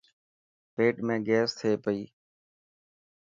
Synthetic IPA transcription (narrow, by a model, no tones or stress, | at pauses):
peːʈmẽːɡɛːst̪ʰeːpəiː